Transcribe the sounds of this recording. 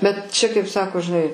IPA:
bʲɛt ˈt͡ʃʲɛ kɐɪp ˈsɑːkoː ʒʲɪˈnɐɪ

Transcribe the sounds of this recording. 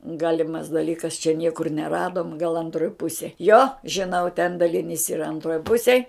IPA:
ˈɡɑːlʲɪmɐs dɐˈlʲiːkɐs t͡ʃʲɛ ˈnʲiɛkʊr nʲɛˈrɑːdoːm ɡɐlˠ ɐnˈtroːj ˈpʊsʲeːj joː ʒʲɪˈnɐʊ tʲɛn dɐlʲɪˈnʲiːs iːˈrɐ ɐnˈtroːj ˈpʊsʲeːj

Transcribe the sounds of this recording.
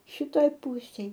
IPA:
ʃʲɪˈtoːj ˈpʊsʲeːj

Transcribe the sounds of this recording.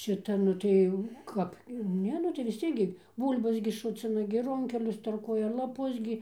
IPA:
ˈʃʲɪtɐ ˈnʊ tɐɪ jɛʊ ˈkɐp ˈnʲɛ nʊ tɐɪ ʋʲɪs ˈt͡sʲiɛk ɡʲɪ ˈbuːlʲbɐs ɡʲɪ ˈʃʊt͡sʲɪnɐ ɡʲɪ ˈrʊŋʲkʲɛlʲʊs tɐrˈkuɔjɛ lˠɐˈpʊs ɡʲɪ

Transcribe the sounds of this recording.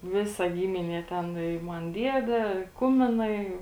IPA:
ˈʋʲɪsɐ ˈɡʲiːmʲɪnʲiɛ ˈtʲɛn ɪ ˈmɐn ˈdʲiɛdʲɛ ˈkʊmʲɪnɐɪ

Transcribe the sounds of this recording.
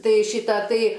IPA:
ˈtɐɪ ˈʃʲiːtɐ ˈtɐɪ

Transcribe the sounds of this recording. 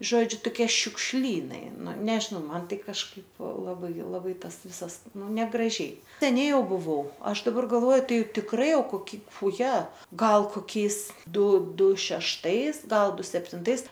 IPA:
ˈʒoːd͡ʒʲʊ toːˈkʲiɛ ʃʲʊkʃʲˈlʲiːnɐɪ ˈnʊ ˈnʲæːʒʲɪnɐʊ ˈmɐn ˈtɐɪ kɐʃˈkɐɪp lˠɐˈbɐɪ lˠɐˈbɐɪ ˈtɐs ˈʋʲɪsɐs ˈnʊ nʲɛɡrɐˈʒʲɛɪ sʲɛˈnʲɛɪ ˈjɛʊ bʊˈʋɐʊ ˈɐʃ dɐˈbɐr ɡɐlˠˈʋoːjʊ ˈtɐɪ tʲɪkˈrɐɪ ˈjɛʊ koːˈkʲɪ ʊˈjɛ ˈɡɐlˠ koːˈkʲɛɪs ˈdʊ ˈdʊ ʃʲɛʃˈtɐɪs ˈɡɐlˠ ˈdʊ sʲɛpʲtʲɪnˈtɐɪs

